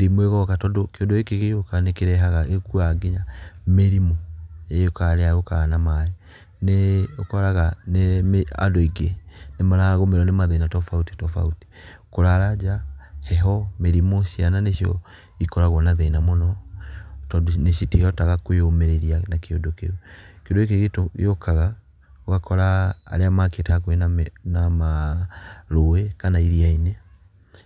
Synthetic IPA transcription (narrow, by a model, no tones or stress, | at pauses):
demweɣɔkatɔdokeondoekeɣejokanekeɾɛɦaɣaekuaɡeɲameɾimɔejokaɾeaɣokanamaɾe | neokɔɾaɣanemea̰doiɡenemaɾaɣomeɾɔnemaðenatɔfauti̥tɔfa̰uti̥ | koɾaɾad͡ʒahɛɦɔmeɾimoʃiananeʃjɔ̰ | ikɔɾaɣwɔnaðeinamɔnɔ | tneʃitihɔtaɣakoeomɛɾeɾianakeondokḛukeondoek̬eɣetojokaɣa | oɣakɔɾa̰ːɾeamaketakwenanama | ɾoekanaiɾiaine